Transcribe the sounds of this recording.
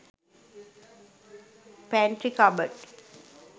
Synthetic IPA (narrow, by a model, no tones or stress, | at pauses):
pɛ̃ɳʈɾikabəʈ